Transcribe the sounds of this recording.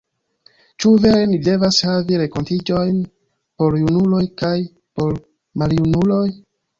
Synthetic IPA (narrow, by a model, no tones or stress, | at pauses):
t͡ʃuve̞ɾe̞nide̞vashaviɾe̞ko̞ntid͡ʒo̞jn | po̞ɾjunulo̞jkaj | po̞ɾ | maljunulo̞j